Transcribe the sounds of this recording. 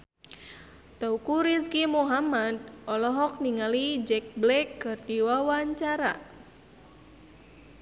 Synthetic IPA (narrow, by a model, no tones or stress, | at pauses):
t̪aukuɾiskimuɦamad̪̚ʔɔlɔɦɔk̚niŋalid͡ʒɛk̚blɛkːərdiwawaɲt͡ʃaɾa̰